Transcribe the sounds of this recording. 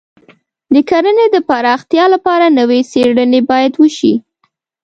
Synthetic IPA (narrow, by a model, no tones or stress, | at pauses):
d̪əkaɾəned̪əpaɾɑxt̪jɑlapɑɾanəweseɽənebɑjad̪wəʃi